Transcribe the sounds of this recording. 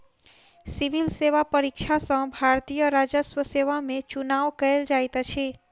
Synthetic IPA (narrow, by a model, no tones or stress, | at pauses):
siʋilseʋapəɾikt͡ʃʰasə̃bʱaɾt̪ijəɾad͡ʒəsʋəseʋamẽt͡ʃunaʋkəeld͡ʒajt̪t͡ʃʰe